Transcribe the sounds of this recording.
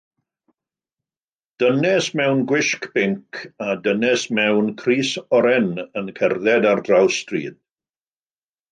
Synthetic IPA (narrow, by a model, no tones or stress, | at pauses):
d̥ənɛsmɛwnɡwɪʃkb̥ɪŋkʰadənɛsmɛwnkʰriːsɔɾɛnənkʰɛrðɛdardrawstrḭːd̥̚